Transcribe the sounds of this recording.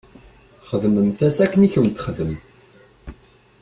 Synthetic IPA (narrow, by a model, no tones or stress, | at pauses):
χəðəməmθæsækːəniçwnt̪χəðəm